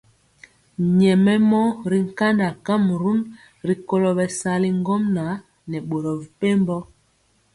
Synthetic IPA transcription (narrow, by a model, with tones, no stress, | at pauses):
ɲɛ˨mɛ˦mɔ˦ɾi˦ŋ̩˨ka˦nda˨ka˦m˨ɾu˦n | ɾi˨ko˦˨lɔ˨bɛ˨sa˨li˦ŋ˦ɡɔ˦mna˨˦ | nɛ˨ɓo˨ɾɔ˨vi˨pe˦mbɔ˦